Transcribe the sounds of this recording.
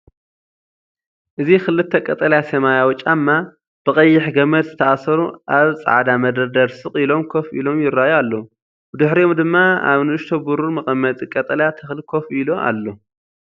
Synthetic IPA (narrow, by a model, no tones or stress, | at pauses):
ʔɨzikɨlːɨt̪ʰːɐkʼɐt̪ʼɐljasɐmajawʊt͡ʃʼːamːa | b̥ɨχʼɐjːɪħɡɐmɐd̪zɨt̪ʰɐʔasɐɾuʔaβt͡sʼa̰ʕd̪amɐd̪ɐd̪ɐɾsɨχʼilo̞mkʰofʔḭlo̞mjɪɾːajalːo | bɨd̪ɨħɾiomd̪ɨmːaa̰βnɨɨʃt̪ʰobuɾumɐχʼɐmːɐt̪ʼikʼɐt̪ʼɐljat̪ʰɨxlkʰo̞filo̞ʔa̰lːo